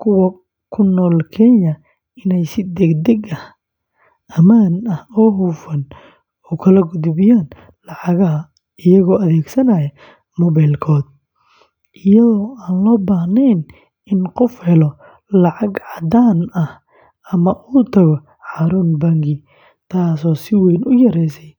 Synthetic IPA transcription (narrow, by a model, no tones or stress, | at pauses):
kʰʊwɐ | kʰʊnɔːlkʰɛːjɐ | ɪnɛjsɪd̪ɛɡd̪ɛɡɐh | ɐmaːnɐhɔːɦuːfɐn | ɔːkʰɐlɐɡʊd̪bɪjaːn | lɑʕɑɣɐɦɐ | ɪjɐɣɔːʔɐðɛːɡsɐnɐjɐ | mɔːβajlkʰɔːd̪̚ | ʔɪjɐðɔːaːnlɔːbaːhnɛːn | ɪnqɔfhɛlɔ | lɑʕɑɡʕɑd̪aːnɐh | ɐmɐʔuːt̪ʰɐɣɔ | ħɑːɾuːnbaŋɡɪ | t̪ʰaːsɔːsɪwɛjnʔʊjɐɾɛːsɛj